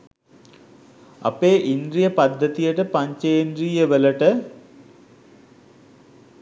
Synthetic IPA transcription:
ɐ̰peːʔind̪ɾijəpɐd̪ʱːət̪ijəʈəpaɲt͡ʃejend̪ɾijəʋələʈə

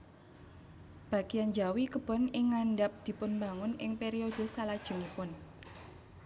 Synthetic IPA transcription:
b̥a̤ɡ̥ijand͡ʒawikəb̥ɔ̤nɪŋːaɳɖap̚d̪̥i̤pʊnmba̤ŋʊnɪŋpeɾiod̪̥ə̤salad̥ʒ̥ə̤ŋipʊn

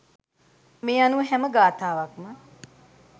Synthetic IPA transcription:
meːanuɦæməɡaːt̪aːʋakmə

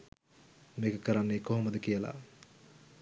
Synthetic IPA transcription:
mekəkəɾanːeːkoɦoməd̪əkijəla̰

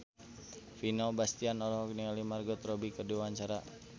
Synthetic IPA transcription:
finalbast̪ianɔlɔɦɔk̚niŋalimarɡɔt̪rɔbikəduaɲt͡ʃaɾa

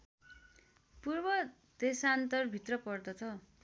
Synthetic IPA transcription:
purbʌ | d̪̥esant̪ʌrbʱit̪rʌpʌrd̪ʌt̪ʰʌ

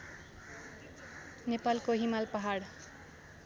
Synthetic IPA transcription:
nepalkoɦimalpʌɦaɽ

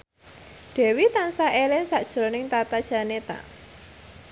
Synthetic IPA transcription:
d̪̥ɛ̤wit̪ansaʔelɪnsaʔd̥ʒ̥ɾonɪŋt̪at̪ad̥ʒ̥a̤net̪a̰

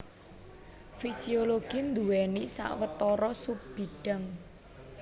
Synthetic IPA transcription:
fisioloɡ̥ind̪uwɛnisa̰ʔwət̪ɔɾɔsub̥i̤ɖ̥a̤ŋ

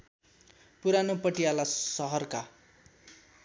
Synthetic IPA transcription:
puɾanopʌʈijalasʌɦʌrka

